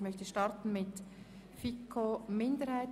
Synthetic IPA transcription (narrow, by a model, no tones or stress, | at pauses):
mœçtəʃtɑɾtn̩mɪt | fikʰːomɪndəɾhaɪ